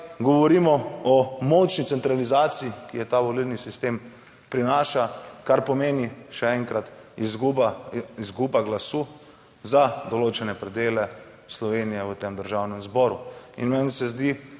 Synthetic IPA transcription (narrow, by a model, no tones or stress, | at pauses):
ɡɔʋɔɾimɔɔmɔt͡ʃnit̪sɛnt̪ɾalizaːt̪sijikijɛt̪aʋɔlilnisist̪em | pɾinaːʃakaɾpɔmeːniʃɛɛŋkɾat̪izɡubaizɡubaɡlasuː | zad̪ɔloːt͡ʃɛnɛpɾɛd̪eːlɛ | slɔʋenijɛət̪emd̪əɾʒawnɛmzbɔɾuḭnmɛnsɛzd̪i